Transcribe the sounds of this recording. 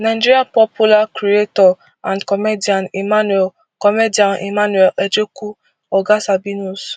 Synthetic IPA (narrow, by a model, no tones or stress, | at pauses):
naɪd͡ʒiɾiapɔpulakɾietɔ | ãndkɔmedianimanwɛl | kɔmedianʔḭmanwɛled͡ʒeku | ɔɡasabinus